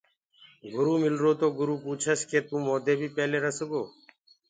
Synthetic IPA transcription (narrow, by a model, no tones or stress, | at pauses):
ɡʊɾuːmɪlɾoːt̪oːɡʊɾuːpuːt͡ʃʰəskeːt̪ũːmoːd̪eːbʱiːpeːleːɾəsəɡoː